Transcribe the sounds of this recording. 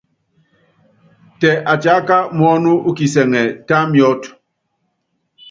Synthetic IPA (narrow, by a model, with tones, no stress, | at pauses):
tɛ˨ʔa˨t͡ʃa˨˦ka˦mɔ˦nu˦u˦ki˨sɛ˨ŋɛ˨ta˦mjɔ˦t